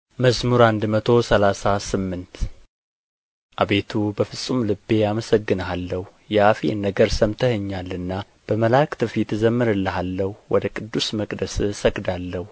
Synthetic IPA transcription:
məsmuɾand̪mət̪ʰo̞səlasasɨmːɨnt̪ | ʔaβe̞t̪ʰubəfɨsʼumlɨbːe̞jaməsəɡːɨnalːəhu | jɛafinːəɡəɾsəmt̪ʰəhɨɲːalːɨnːa | b̥əməlakt̪ʰɨfit̪zəmːɨɾɨlːəɦalːəhuwɔd̪əkʼɨd̪ːusməkʼd̪əssəɡʼd̪alːəhu

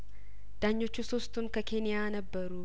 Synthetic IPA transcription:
d̪̥aːɲːɔt͡ʃːuːsɔst̪ʊŋkɐkeːnɪjaːnɐbːɐɾu

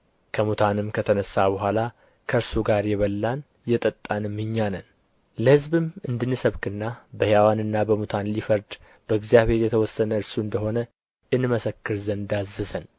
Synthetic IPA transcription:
kʰəmut̪ʰanɨmkʰət̪ʰənəsːabəɦʷala | kʰəɨɾsuɡaɾjɛβəlːan | jɛt̪ʼət̪ʼːanɨmːɨɲːanən | ləhɨzbɨmɨnd̪ɨnːɨsəβkɨnːabəhjawanɨnːabəmut̪ʰanlifəɾd̪ | bəɨɡzijaβhe̞ɾjɛt̪ʰəwɔsːənəɨɾsuɨnd̪əɦo̞nə | ʔɨnməsəkːɨɾzənd̪azːəsən

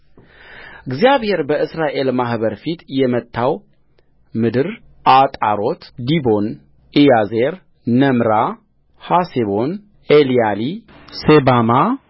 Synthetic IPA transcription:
ɨɡzijaβhe̞ɾbəʔɨsɾaʔe̞lmahbəɾfit̪jɛmət̪ʰːaw | mɨd̪ɨɾ | ʔat̪ʼa̰ɾo̞t̪d̪ibo̞n | ʔijazeɾ | nəmɾa | haseβo̞n | elijali | sebama

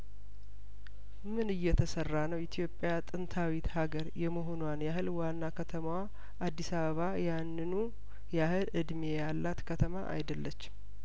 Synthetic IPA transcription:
mɨnɨjːɛt̪ʰəsərːanəwit̪ʰijo̞pʼːjat̪ʼɨnt̪ʰawit̪haɡəɾjɛmoɦo̞nwanjahɨlwanːakʰət̪ʰəmwa | ʔad̪ːisaβəβajanːɨnu | jahɨlɨd̪mejalːat̪kʰət̪ʰəma̰ʔa̰jd̪əlːət͡ʃː

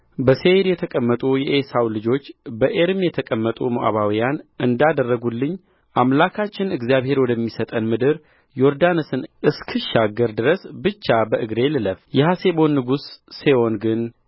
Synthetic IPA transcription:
bəseɾjɛt̪ʰəkʼəmːət̪ʼujɛʔesawlɨd͡ʒo̞t͡ʃːbəʔeɾmjɛt̪ʰəkʼəmːət̪ʼumoʔa̰βawijanʔɨnd̪ad̪ərːəɡulːɨɲː | ʔamlakʰat͡ʃːɪnɨɡzijaβhe̞ɾwɔd̪əmːisət̪ʼənmɨd̪ɨɾ | jo̞ɾd̪anɨsɨnʔɨskʰɨʃaɡəɾd̪ɨɾəsbɨt͡ʃːabəʔɨɡɾe̞lɨləfjɛhase̞bo̞nːɨɡusːewo̞nɡɨn

